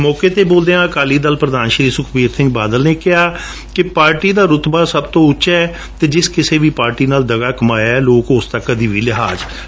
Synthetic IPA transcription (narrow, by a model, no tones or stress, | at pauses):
mɔːkeːt̪eːboːld̪eːãːəkaːliːd̪əlpɾəd̪aːnʃɾiːsʊkʰpiːɾsɪ̃ŋɡ̚baːd̪əlneːkɪɦaː | kɪpaːɾʈiːd̪aːɾʊt̪baːsəbt̪õːʊʃɛɛː | t̪eːd͡ʒɪskɪseːʋiːpaːɾʈiːnaːld̪əɡaːkəmaːjaɛːloːkʊst̪əkːəd̪iːʋiːlɪɦaːd͡ʒ